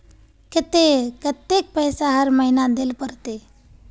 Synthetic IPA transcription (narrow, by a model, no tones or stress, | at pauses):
kɪt̪ekət̪ːek̚pəɦjsaɦəɾməɦinad̪elpəɾt̪e